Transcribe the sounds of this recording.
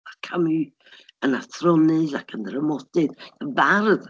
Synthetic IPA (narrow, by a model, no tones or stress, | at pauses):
akʰami | ənaθʰrɔnɪðakʰəndrəmɔdɨðəbarð